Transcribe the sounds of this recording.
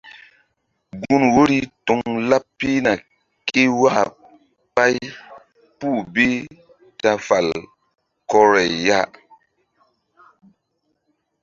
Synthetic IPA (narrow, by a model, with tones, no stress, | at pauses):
ɡu˦nwo˦ɾi˦to˨ŋla˦ppːi˦na˨ | ke˦wa˦ | pa˦j | pu˦˨be˦ | ta˧fa˨l | kɔ˦ɾɛ˨jːa˦